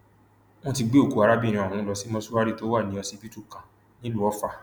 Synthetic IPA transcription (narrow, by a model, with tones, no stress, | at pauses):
m̃ɔ̃˦ti˧ɡ͡be˦o˦˨ku˨˦a˧ɾa˦bi˦˨ɾ̃ĩ˧˨ɔ˨ũ˨˦lɔ˧si˦mɔ̃˦su˦wa˦ɾi˦˨to˦wa˦˨nĩ˨˦ɔ˧si˧pi˦tu˦˨kã˨ | nĩ˦lu˦ɔ˨˦fa˧